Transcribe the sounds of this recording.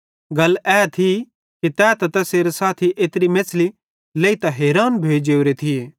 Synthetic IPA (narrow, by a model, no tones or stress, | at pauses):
ɡɐlɛːt̪ʰi | kit̪ɛːt̪ɐt̪ɛseːɾesaːt̪ʰiʔeːt̪ɾimeːt͡sli | leːit̪ɐɦeːɾaːnbʱeːd͡ʒeːʊɾet̪ʰieː